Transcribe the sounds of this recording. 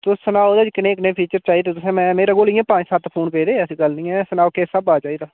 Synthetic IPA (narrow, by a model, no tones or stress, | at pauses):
t̪ʊsənaːoːd̪aːd͡ʒkɪneːknẽːpʰiːt͡ʃəɾt͡ʃaːiːd̪eːt̪ʊsẽːmɛ̃ːmeːɾaːɡoːlɪjãːpãːd͡ʒsat̪pʰoːnpeːɾeːsĩːɡəlnĩːɛ̃ːsənaːokeːsəbaːt͡ʃaːiːd̪aː